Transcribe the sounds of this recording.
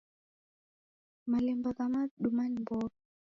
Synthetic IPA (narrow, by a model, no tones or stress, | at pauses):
malɛmbɔkamaɗumanmbɔ